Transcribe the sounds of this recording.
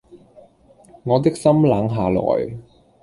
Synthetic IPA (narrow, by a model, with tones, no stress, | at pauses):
ŋɔː˨˧t̪̬ɪ˥k̚sɐ˥mlaː˨˥ŋɦaː˨lɔ̰ː˨˩j